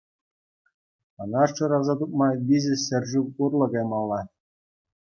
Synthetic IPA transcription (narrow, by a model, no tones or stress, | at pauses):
ɤ̆nɑʂʈ͡ʂɤ̆ɾɑzɑt̪uk̚mɑʋʲizʲɘ̆sɘ̆rʲʐuurlˠɤ̆ɡɑjmɑlˠːɑ